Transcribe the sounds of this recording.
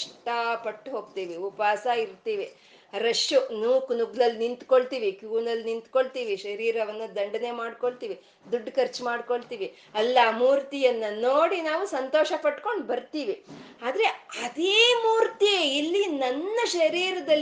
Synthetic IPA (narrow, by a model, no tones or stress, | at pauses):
ʂʈɐpɐʈːɦo̞ːɡ̚t̪iːʋiupaːsaiɾt̪iːʋi | ɾɐʂjunuːknuɡlɐlːnint̪koɭt̪iːʋikjuːnɐlːnint̪koɭt̪iːʋiʃɐɾiːɾɐʋɐnːɐd̪ɐɳɖɐne̞maːɽkoɭt̪iːʋi | d̪uɖːkɐɾt͡ʃmaːɖkoɭt̪iːʋi | ɐlːɐmuːɾt̪ijɐnːɐnoːɽinaːʋusɐnt̪oːʃɐpɐʈko̞ɳɖbɐɾt̪iːʋiaːd̪ɾe̞ɐd̪eːmuːɾt̪ieilːinɐnːɐʃɐɾiːɾɐd̪ɐlː